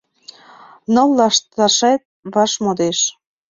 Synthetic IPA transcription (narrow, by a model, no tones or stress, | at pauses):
nɤlːɑʃt̪ɑʃet̪̚βɑʃmod̪eʃ